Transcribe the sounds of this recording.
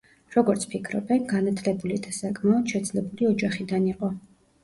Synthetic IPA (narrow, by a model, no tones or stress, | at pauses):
ɾɔɡɔɾt̪sʰpʰikʰɾɔ̰bɛnɡanat̪ʰlɛbulid̪ʰasakʼmaɔd̪̥ʃɛd̪zlɛbuliɔd͡ʒaχid̪aniqʼɔ